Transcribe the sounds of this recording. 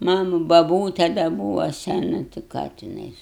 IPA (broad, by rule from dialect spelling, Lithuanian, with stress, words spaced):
ˈmɑːnʊ bɐˈbuːtʲɛ dɐ ˈbuːʋoː sʲɛˈnʊ tʲɪ ˈkɑː tʲɪˈnɐɪs